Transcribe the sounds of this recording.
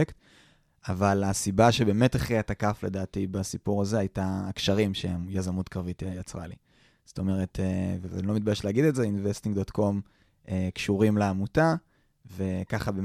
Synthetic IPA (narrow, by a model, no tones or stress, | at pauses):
kt | avalasibaʃe̞be̞ːme̞taχiatakafle̞daːtibasipuʁazeajtaːkʃaʁimʃeemjazamutkʁavitiajat͡sʁa̰lḭ | z̥o̥to̞me̞ʁe̞tʰevea̰nilo̞mit̪̚bajeʃleaɡid̪ezeinvestĩŋɡdotko̞m | ekʃuʁimleamuta | ve̞kaχabe